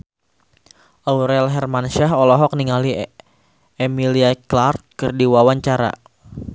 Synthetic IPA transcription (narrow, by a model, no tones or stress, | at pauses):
ʔauɾɛlɦɛrmanʃaɦɔlɔɦɔk̚niŋali | emiliaklart̪̚kɨrdiwawaɲt͡ʃaɾa̰